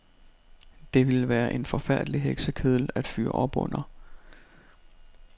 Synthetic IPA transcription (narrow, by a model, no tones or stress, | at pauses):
d̥e̝ʋe̝lʋæːɐʔe̝nfɒ̽fæɐ̰d̥liɦeɡ̥səkʰeðˠl̩æd̥fy̰ːɐ̰ʔɒ̽b̥ɔ̽n̰ɐ